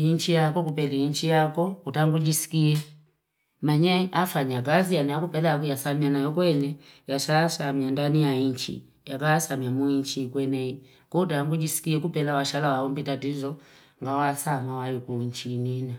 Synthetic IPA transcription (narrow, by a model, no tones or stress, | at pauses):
iɲt͡ʃijakɔkupɛliiɲt͡ʃijakɔutaŋɡud͡ʒisi̥kiɛ | maɲɛafaɲakazijaniakupɛlaak̬ujasamianajɔkwɛnɛjaʃaːsamiandanijaiɲt͡ʃḭ | jakaːsamiamuiɲt͡ʃikwɛnɛi | kɔtaŋɡud͡ʒisi̥kiɛkupɛlawaʃalawaɔmbitatizɔ | ŋɡawasamawaikuɲt͡ʃinina